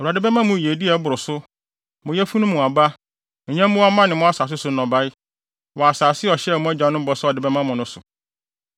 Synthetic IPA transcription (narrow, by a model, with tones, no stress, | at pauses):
ɾa˨dɪ˦bɛ˦mã˦mʊ̃˨ji˨e˨di˦ɛ˨˦bʊ˨ɾʊ˨sʊ˦ | mʊ̃˨jɛ˦fu˦nʊ̃˦mũ˨a˨ba˦˨˦ | ɲã˦m˦mʊ̃˦a˦mã˦nɪ̃˨mʊ̃˦a˦saː˨s̬ɪ˦sʊ˦nɔ̃˨ba˦ɪ˦ | wɔ˨a˨saː˨sɪ˦ɔ˨ɕɛ˦ɛ˨mʊ̃˦æ˦d͡ʑã˨˦nʊ̃˦m˦bɔ˨sɔ˦ɔ˨dɪ˨bɛ˦mã˦mʊ̃˨nʊ̃˦sʊ˨